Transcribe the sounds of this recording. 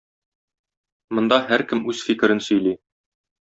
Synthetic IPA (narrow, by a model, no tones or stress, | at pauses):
mŏnd̪ɑhæɾkɘmʉzfikɘ̆ɾɘnsɵ̆jli